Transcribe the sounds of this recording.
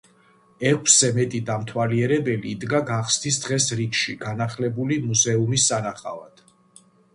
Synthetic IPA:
ɛkʷʰszɛmɛt̪ʼid̪amt̪ʰwaliɛɾɛbɛliːd̪ɡaɡaχst̪ʰisd̪ʁɛsɾikʃiɡanaχlɛbulimuzɛumisːanaχʼa̰va̰d̪̥

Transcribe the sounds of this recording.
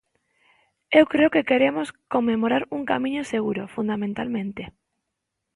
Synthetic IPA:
ewkɾeokekeɾemoskomːemoɾaɾuŋkamĩɲoseɣ̞uɾofund̪amẽnt̪almẽnt̪e

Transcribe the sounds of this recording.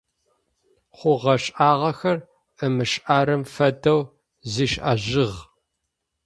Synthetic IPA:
χʷʊʁɐɕʼʔaːʁɐxɐr | əmɨʃʔaːɾɨmfɐdɐw | ziːʃʔa̰ːʑɪʁ

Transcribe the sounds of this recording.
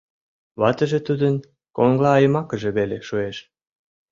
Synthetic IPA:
βɑt̪ə̆ʒĕt̪ud̪ən | koŋɡlɑːjəmɑkəʒĕβeleʃueʃ

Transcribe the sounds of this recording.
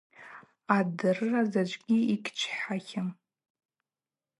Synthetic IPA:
adɨrɨrazad͡ʒʷɡʲiikʲʰʼt͡ʃʷʰħħaχʲɪm

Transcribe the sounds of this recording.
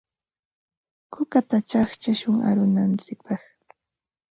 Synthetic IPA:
kʊkat̪at͡ʃaχt͡ʃaʃʊŋa̰ɾʊnant͡sɪk̚pɑχ

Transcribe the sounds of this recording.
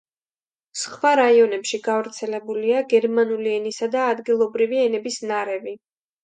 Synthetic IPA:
sχwaɾaiɔnɛpʃiɡavɾt̪sʰɛlɛbuliaɡɛɾmanuliɛnisad̪aːd̪ɡilˠɔbɾiviɛnɛbisnaɾɛvi

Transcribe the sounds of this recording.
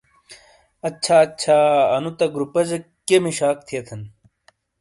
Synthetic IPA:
ɐɕʰaːɐt͡ɕʰaːɐnut̪ɐɡɾupɐzɐ | kːemiɕaːk̚t̪ʰijɐt̪ʰɐn

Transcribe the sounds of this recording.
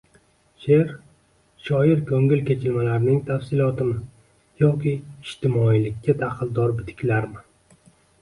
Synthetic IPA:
ʃeɾ | ʃɒjɪɾkʰɵŋɪlkʲe̞t͡ʃʰɪlmalaɾnɪŋt̪ʰafsɪlˠɒt̪ʰɪmɪ | jɒkʲɪːʃt̪ʰɪmɒilɪkʲːad̪aqʰɨlˠd̪ɒɾbɪt̪ʰɪ̥kʲʰlaɾmɪ

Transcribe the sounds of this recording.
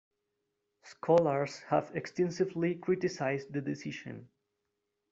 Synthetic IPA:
skʰɔlˠəɹz̥həvɛkstɛ̃nsɨvlikʰɹɪtɪsaɪzdðɨdɪsɪʃɨ̰̃n

